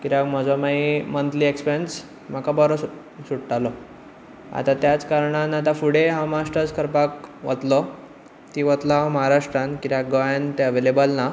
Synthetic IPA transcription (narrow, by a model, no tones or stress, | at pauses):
kiɾakm̤əd͡zɔmaimənt̪liːekspens | m̤akabɔɾɔsu | ɕuʈʈalɔ | a̰t̪ãt̪jat͡skaɾɳãnat̪̬afuɽeɦãmaʂʈəɾskəɾpakʋə̰t̪lɔ | t̪iʋət̪laməɦaɾaʂʈɾankiɾak̚ɡɔjant̪eəʋelebəlna